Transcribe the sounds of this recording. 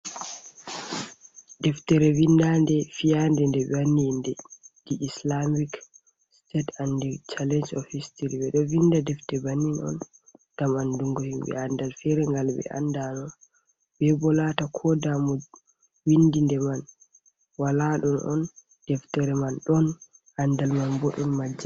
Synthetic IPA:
dɛftɛɾɛwindandɛfijandɛndɛbanːindɛdiʔːslamik | stɛtandɛt͡ʃalɛnd͡ʒɔfistiɾibɛɗɔvindadɛftɛbanːinɔ̰n | d̥amanduŋɡɔhimbɛ̰andalfɛɾɛŋɡalbɛ̰ʔa̰ndanɔ | bɛbɔlatakʰɔdamɔ | windindɛman | walaɗɔnʔɔ̰n | d̥ɛftɛɾɛmanɗɔn | ʔandalmanbɔɗɔnmad͡ʒːa

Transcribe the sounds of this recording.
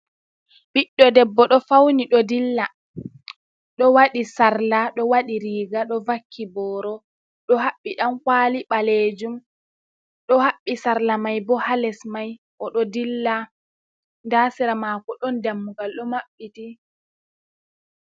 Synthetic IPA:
ɓiɗːɔdɛbːɔɗɔfawniɗɔdilːa | ɗɔwaɗisaɾlaɗɔwaɗiɾiːɡaɗɔvakʰːibɔːɾɔ | ɗɔhaɓːiɗamkwaːliɓaled͡ʒum | ɗɔhaɓːisaɾlamajbɔhalɛsmaj | ʔɔɗɔdilːa | ndaːsiɾamaːkɔɗɔndamːuɡalɗɔmaɓːiti

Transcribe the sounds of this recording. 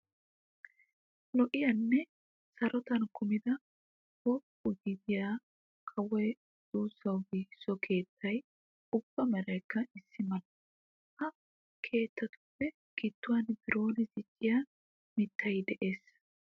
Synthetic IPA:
lɔʔɪjɐnːɛ | sɐɾɔt̪ɐnkʊmɪd̪ɐ | wɔ | ʊɡɪd̪ɪjaː | kʼɐwɛj | d̪̥uːsɐwɡiːsːɔkʰe̞ːt̪ːɐj | ʊb̥ːɐmɛɾɐjkːɐɪsːɪmɐlɐ | ʔɐ | kʰe̞ːt̪ːɐt̪ʊ̥fːɛ | ɡ̥ɪt̪ːʊwanbɪɾo̞ːnɪzɪt͡ʃʼːɪja | mɪt̪ːɐjɪd̪ɛʔe̞ːs

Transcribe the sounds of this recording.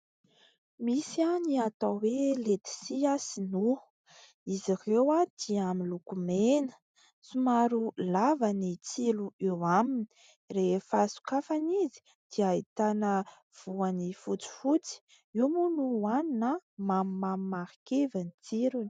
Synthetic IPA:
misianiat̪awelet̪i̥siasinu | izirewad̪̥iamilukumenə̥ | sumaɾulavənit͡siluewamini̥ | refəsu̥kafanizi̥ | d̪̥iait̪anə | v̥uanifut͡si̥fut͡si̥ | iwmunuannamammammaɾikevanit͡siɾuni̥

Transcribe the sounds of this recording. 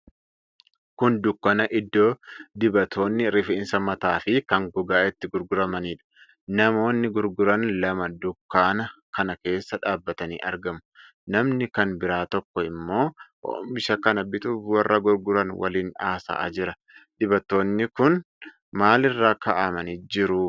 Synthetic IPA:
kʊnd̪ʊkːɐnɐʔɪd̪ːoːd̪ɪbɐt̪ʰo̞ːnːɪɾɪfɪnsɐmɐt̪aːfɪkɐŋɡɔɡaːʔɪt̪ːɪɡʊɾɡʊɾɐmɐniːᶑɐ̥ | nɐmo̞ːnːɪɡʊɾɡʊɾɐnlɐmɐd̪ʊkːaːnɐkɐnɐke̞ːsːɐᶑaːbːɐt̪ɐnḭːʔɐɾɡɐmʊ̥ | nɐmnɪkɐnbɪɾaːt̪ɔkːɔɪmːo̞ːʔo̰ːmɪʃɐkɐnɐbɪt̪uːfwɐrːɐɡʊɾɡʊɾɐnwɐ̰liːnaːsa̰ːʔd͡ʒɪɾɐ | d̪̥ɪbɐt̪ːo̞ːnːɪkʊn | maːlɪrːaːkɐʔɐmɐniːd͡ʒɪɾʊ

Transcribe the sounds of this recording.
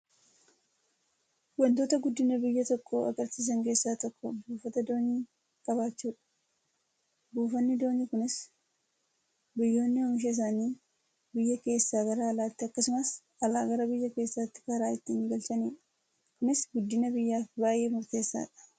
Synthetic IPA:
wɐnt̪o̞ːt̪ɐɡʊd̪ːɪnɐbɪjːɐt̪ɔkʰːoɐ̰ɡɐɾsiːs̬ɐŋke̞ːsːaːt̪ɔkːɔ̰buːfɐt̪ɐd̪o̞ːɲːiː | kʼɐβaːt͡ʃːuːᶑɐ̥ | buːfɐnːɪd̪o̞ːɲːɪkʊnɪs | bɪjːo̞ːnːɪhɔmɪʃ̬ɐɪs̬aːniː | bɪjːɐke̞ːsːaːɡɐɾaːlaːt̪ːɪɐkːɐsʊmɐs | ɐlaːɡɐɾɐbɪjːɐke̞ːsːaːt̪ːɪ̥kɐɾaːɪt̪ːiːŋɡɐlt̪ɐniːᶑɐ̥ | kʊnɪsɡʊd̪ːɪnɐbɪjːaːfbaːjʔe̞ːmʊɾt̪e̞ːsːa̰ːᶑɐ̥

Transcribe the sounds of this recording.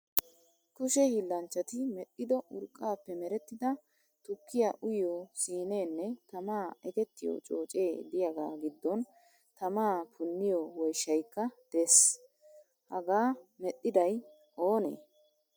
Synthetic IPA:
kʊʃɛhilːɐnt͡ʃːɐt̪ɪmɛʔːɪd̪ɔʔʊɾkʼːaːpːɛmɛɾɛt̪ːɪd̪ɐ | t̪ʊkːɪjaʔʊjosiːne̞ːnːɛt̪ɐmaːɛt̪ɛt̪ːɪjo̰ːt͡ʃʼo̞ːt͡ʃʼe̞ːd̪ɪjɐɡa̰ːɡɪd̪ːɔn | t̪ɐmaːpʰʊnːɪjɔwɔjʃːɐjkːɐd̪̥eːs | hɐɡaːmɛtʼːɪd̪ɐj | ʔo̞ːnḛː

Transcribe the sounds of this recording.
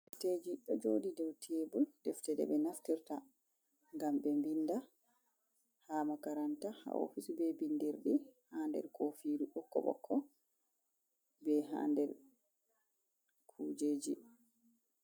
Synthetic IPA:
fted͡ʒiɗɔd͡ʒoːdidɛwtʰeːbuldɛftɛɗɛ̰ɓɛnaftiɾta | ŋɡambɛmbinda | haːmakaɾantaha̰o̰fisubɛbindiɾɗihandɛ̰ɾkʰoːfiːduʔɔkːɔ̰ɓɔ̰kʰːɔ | bɛɦa̰ːndɛɾ | kʰuːd͡ʒeːd͡ʒi

